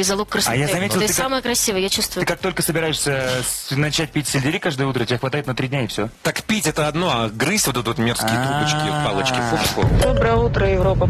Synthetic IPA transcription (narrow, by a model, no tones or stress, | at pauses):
ɪzɐlˠokːrsajazɐmʲetʲɪlˠt̪ɨssaməjəkɾɐsʲivəjəjat͡ɕust̪vʊɨkak̚t̪o̞lʲkəsəbʲɪɾajɪʂsʲənɐt͡ɕæt̚ʲpʲitʲsʲɪlʲdʲɪɾʲikaʐd̪əjəut̪ɾətʲɪbʲaxvɐt̪ajɪt̪nɐt̪ɾʲidʲnʲaɪfsʲot̪akpʲitʲɛt̪əɐd̪noɐɡɾɨsʲtʲvot̪ɛt̪ot̪mʲersʲɪjət̪ɾupət͡ɕkʲɪpalˠət͡ɕkʲɪfupko̰d̪obɾəjəut̪ɾəjɪvɾopə